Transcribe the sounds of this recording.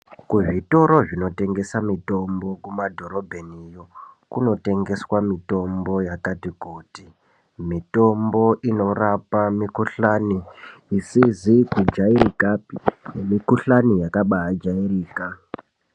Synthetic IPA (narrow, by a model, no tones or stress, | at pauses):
kuʐito̞ɾo̞ʐino̞te̞ŋɡe̞samito̞mbo̞kumadʱo̞ɾo̞bʱenijo̞kuno̞te̞ŋɡe̞swamito̞mbo̞jakatikuːti | mito̞mbo̞ʔino̞rapamikuɬaniːsizikud͡ʒaiɾikapinemikuɬanijakaɓaɦad͡ʒairiːka